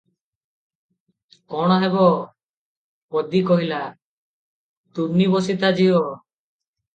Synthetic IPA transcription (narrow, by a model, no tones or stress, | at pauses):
kɔɽ̃ɔɦebɔ | pɔd̪ikɔɦila | t̪umnibɔsit̪ad͡ʒiɔ